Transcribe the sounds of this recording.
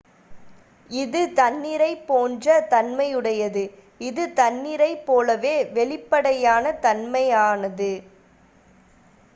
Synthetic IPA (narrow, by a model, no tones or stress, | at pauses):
ɪðɯt̪ɐnːɪɾɐɪpːoːndrɐt̪ɐnmɐɪjɯɽɐjɐðɯ | ɪðɯt̪ɐnːɪɾɐɪpːoːlɐʋeːʋɛɭɪpːɐɽɐjaːnɐt̪ɐnmɐjaːnɐðɯ